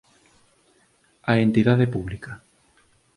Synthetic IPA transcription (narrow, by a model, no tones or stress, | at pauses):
aent̪iðaðepuβlika